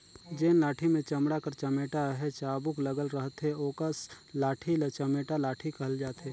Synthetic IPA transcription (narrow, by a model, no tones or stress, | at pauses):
d͡ʒeːnlaːʈʰimẽt͡ʃɐmɽakəɾt͡ʃɐmeːʈaɦɛt͡ʃaːbʊkləɡəlɾəɦt̪ɦeoːkəs | laːʈʰilət͡ʃɐmeːʈalaːʈʰikəɦld͡ʒaːt̪ɦeː